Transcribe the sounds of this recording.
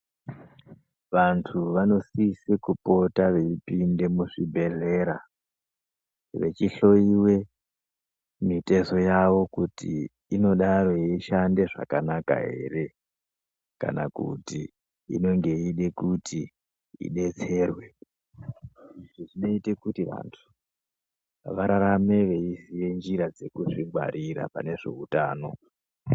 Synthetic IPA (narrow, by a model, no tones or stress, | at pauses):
ʋantʰuʋano̞sisikupo̞taʋe̞ipinde̞muʂibʱe̞ɮe̞ɾa | ʋe̞t͡ʃiɬo̞iwe̞ | mite̞so̞jaʋo̞kutḭː | no̞ɗaɾoiʃande̞ʐa̰kanaka̰ɦe̞̰re̞ | ka̰nakṵti | ḭno̞ŋɡe̞iɗe̞kutʰi | ḭɗe̞t͡se̞ːrwe | iʐiʐino̞itekutiʋa̰ntʰu̥ | ʋaɾaɾame̞ʋe̞isije̞nd͡ʒiɾad͡ze̞kuʐiɡʱwa̰ɾʔiɾa̰pa̰ne̞ʐe̞̰utaːno̞̰